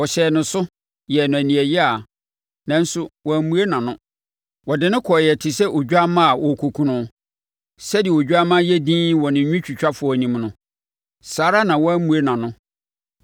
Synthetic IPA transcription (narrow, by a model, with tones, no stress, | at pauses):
wɔ˨ɕɛː˨nʊ̃˨sʊ˦ | jɛ˨nʊ̃˨æ˨nĩ˨æ˨jɛ˦a˨ | nã˨n̩˦sʊ˦wɔ˨æ˨mũ˨˦e˦nã˨nʊ̃˦ | wɔ˨dɪ˨˦nɪ̃˦kʰɔ˨jɛ˨tʰɪ˨sɛ˦ʔo˨d͡ʑᶣa˦mã˦a˨wɔ˨kʰo˨kʰũ˨nʊ̃˦ | sɛ˦dɪ˨ɛ˨o˨d͡ʑᶣu˦a˦mã˦jɛ˦dĩː˦wɔ˨nɪ̃˨ɲᶣũ˦t͡ɕᶣi˨t͡ɕᶣa˦fʊ˨ɔ˨nĩ˨mnʊ̃˦ | saː˨˦ɾa˦nã˨wɔ˦æ˦mũ˨e˦nã˨nʊ̃˦